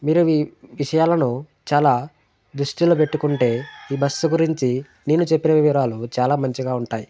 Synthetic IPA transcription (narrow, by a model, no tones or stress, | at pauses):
miːɾuiʋiʂɐjaːlɐnu | t͡ʃaːlaː | d̪ɾuʂʈiloːpe̞ʈːukuɳʈe̞ːiːbɐsːuɡuɾiɲt͡ʃi | ne̞ːnut͡ʃepːinɐʋiʋiɾaːlut͡ʃaːlaːmɐɲt͡ʃiɡaːuɳʈaːji